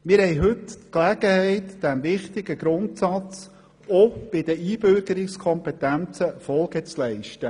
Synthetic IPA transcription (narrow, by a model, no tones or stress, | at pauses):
mɪɾhɛjɦɵttklæɡ̥əhɛɪtd̥æmvɪχt̪ɪɡəɡ̥ɾʊntsɑt͡s | ob̥ɪd̥̪əiːbʏɾɡəɾɪkskʰɔmpɛt̪ænt͡səfɔlˠɡət͡slɛɪʃtə